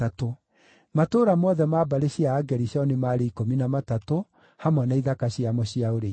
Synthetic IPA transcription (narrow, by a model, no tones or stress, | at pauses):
ato | matoːɾamɔðɛmaːbaɾeɕiaːɡɛɾiɕjɔnemaːɾeikominamatato | hamɔnaiðakaɕiamɔɕiaoɾe